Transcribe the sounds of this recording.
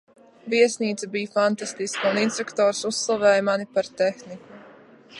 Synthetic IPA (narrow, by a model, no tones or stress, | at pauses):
viɛsniːt̪sabijfant̪ast̪iskuninst̪ekt̪oːɾsuslˠavɛːjmanipaɾt̪exniku